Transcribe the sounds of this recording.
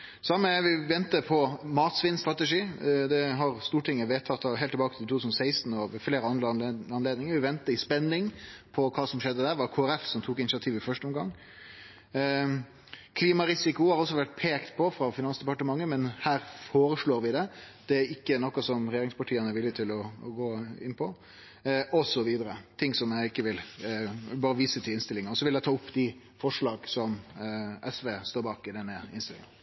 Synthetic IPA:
sɑmːəʋɪʋɛnt̪əpʰɔmɑːt̪sʋɪnst̪ɾʁɑt̪əʂiːd̪ɛɦɑɾst̪uːʈʰɪŋːəʋeːt̪ʰɑt̪ʰːɑɦɛɪlt̪ʰːbɑːkət̪ʰɪluːʉːsnɔsæɪst̪nɔʋfleːɾəɑnd̪ɾɑnleːd̪nɪŋəɾʋɪʋɛnt̪əɪspɛnːɪŋpʰɔkʰɑːsɔmʂɛd̪ːəd̪æːɾʋɑkʰoːæɾɛfsɔmt̪ʰuːkɪnɪt͡ʃsɪɑt̪ʰiːʋɪfœʂʈəɔmɡɑ̰ŋː | kʰliːmɑɾɪsɪkʊɑɾɔs̬ːɔʋæʈ̚pʰeːkt̪pʰɔfɾɑfɪnɑnsd̪əpɑʈəmɑŋːəmɛnhæːɾfoːɾəʂɭoːɾʋɪd̪ɛd̪̥ɛæɾɪkːənɔkːɑsɔmɾɛjeːɾɪŋspɑʈʰiːənəɾʋɪlːɪt̪ʰɪlɔɡoːɪnːpʰɔ | ɔsɔʋiːd̪əɾət̪ʰɪŋːsɔmjæɪɪkːəʋɪl | bɑːɾəʋiːsət̪ʰɪlɪnst̪ɪlɪŋɑɔsɔʋɪlæɪt̪ʰɑːʊpːd̪ɪ | fɔʂɭɑːɡsɔmʔɛsʋeːst̪oːɾbɑːkɪd̪ɛnːəɪnsɪlɪŋɑn

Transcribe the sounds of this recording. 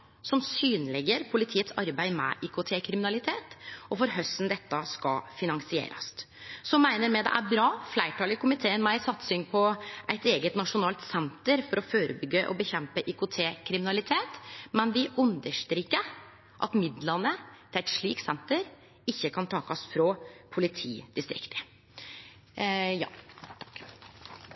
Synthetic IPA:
sɔmsyːnlɛɡəɾpʰʊlɪt̪ʰiːət̪sɑɾbæɪmɛ̰ʔɪkʊt̪ʰeːkʰɾɪmɪnɑlɪt̪ʰeːt̪ʔɔfɔɾɦœst̪n̩d̪ɛt̪ːəskɑ̰fɪnɑŋsɪḛːɾɑ̰s | sɔmːæɪnəɾmɛd̪ɛ̰ʔæ̰ɾbɾɑːflæɪʈɑːlɪkʰʊmɪt̪ʰeːənmæɪsɑt̪sʏŋpʰɔʔæɪt̪eːɡət̪nɑʂʊnɑːlt̪sɛnt̪əɾfɔɾɔføːɾəbʏɡəʔɔ̰bəçɛmpəʔɪkʊt̪ʰeːkʰɾɪmɪnɑlɪt̪ʰeːt̪mɛnʋɪʔʉnd̪əʂt̪ɾiːkːəɾ | ʔɑ̰t̪mɪd̪lɑnət̪ʰɪlæɪt̪ʂɭiːk̪sɛnt̪əɾ | ɪçːəkʰɑnt̪ʰɑːkɑsfɾɔpʰʊlɪt̪ʰḭːd̪ɪst̪ɾɪ̰kt̪ə̥ | jɑ̰ːk

